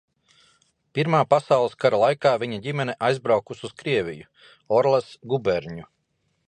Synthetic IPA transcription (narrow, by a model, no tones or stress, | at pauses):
piɾmaːpasawlˠəskaɾalˠajkaːvʲiɲaɟʲimɛnɛʔajzbɾawkususkɾiɛvʲḭju | ɔɾlˠɛsɡubɛɾɲu